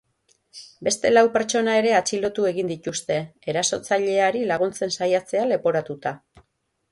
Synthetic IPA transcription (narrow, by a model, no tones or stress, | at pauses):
be̞st̪e̞lawpe̞ɾt͡ʃo̞nae̞ɾe̞at͡ʃilo̞t̪ue̞ɣind̪it̪ust̪e̞e̞ɾaso̞t͡saʎe̞aɾilaɣ̞unt͡se̞nsajat͡se̞ale̞po̞ɾat̪ut̪a